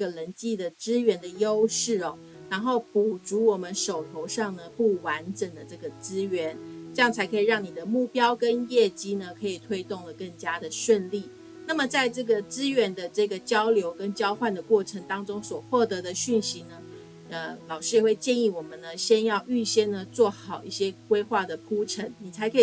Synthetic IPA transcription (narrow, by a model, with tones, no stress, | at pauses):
ə˨lə˧˥nt͡ɕi˥˩d̪ə˩ʈ͡ʂɹɻ̩˥ɥɛ˧˥nd̪ə˧˨jo˥ʊʂɻ̩˥˩ɔ˩ | ɻa˧˥nxo˥˩ʊpu˨˥ʈ͡ʂu˧˥wɔ˨˩mə˦nʂo˨˩ʊt̪ʰo˧˥ʊʂɑ˥˩ŋnə˩pu˥˩wa˧˦˥nʈ͡ʂə˨˩ŋd̪ə˦ʈ͡ʂɤ˥˩ɡə˩t͡sɹ̩˥ɥɛ˧˥nʈ͡ʂɤ˥˧jɑ˥˩ŋt͡sʰa˧˥ɪkʰi˨˩ɻɑ˥˩ŋni˨˩d̪ə˦mu˥˩pjɑ˥ʊkə˦njɛ˥˩t͡ɕi˥nə˨kʰɤ˧˥i˨˩t̪ʰwe˥ɪt̪ʊ˥˩ŋlə˩kə˥˩ŋt͡ɕja˥d̪ə˨ʂwə˥˧nli˥˩ | na˥˩mə˩t͡sa˥˧ɪʈ͡ʂɤ˥˩ɡə˩t͡sɹ̩˥ɥɛ˧˥nd̪ə˧ʈ͡ʂɤ˥˩ɡə˩t͡ɕjɑ˥ʊljo˧˥ʊkə˥nt͡ɕjɑ˥ʊxwa˥˩nd̪ə˩kwɔ˥˩ʈ͡ʂʰə˧˥ŋt̪ɑ˥ŋʈ͡ʂʊ˥ŋswɔ˨˩xwɔ˥˩t̪ɤ˧˥d̪ə˧ɕy˥˩nɕi˧˥nə˧ | ə˧lɑ˨˩ʊʂɻ̩˥˧we˥˧ɪt͡ɕjɛ˥˧ni˥˩wɔ˨˩mə˦nnə˦ɕjɛ˥njɑ˥˧ʊʔy˥˧ɕjɛ˥˩nnə˨t͡swɔ˥˩xɑ˨˩ʊʔi˥˩ɕjɛ˥kwe˥ɪxwa˥˩d̪ə˩kʰu˥ʈ͡ʂʰə˧˥ŋni˨˩t͡sʰa˧˥ɪkʰɤ˧˥i˨˩